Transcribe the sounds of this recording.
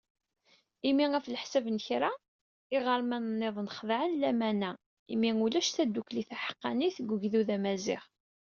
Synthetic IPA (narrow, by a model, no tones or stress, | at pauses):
imiʁæfləħsævnçɾa | ɪʁəɾmænnːeðˤnəχðʕənlæmænæ | imiulæʃθæd̪ːukliθæħə̥qːɑ̰niθɡʷəʝðuðæmæzɪ̰ʁ